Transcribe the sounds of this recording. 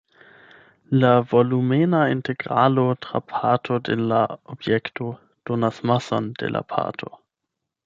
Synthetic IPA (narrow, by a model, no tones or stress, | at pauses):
lavolumenaintʰeɡʁalotʁa̰pʰatʰodelaobjektʰo | d̥onasmasondḛlʔa̰pʰa̰tʰo̰